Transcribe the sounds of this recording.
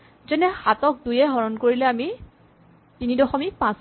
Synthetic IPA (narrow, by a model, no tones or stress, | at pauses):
zɛnɛxatɔk̚dujɛɦɔɹɔnkoɹilɛami | tinidɔxɔmik̚pãs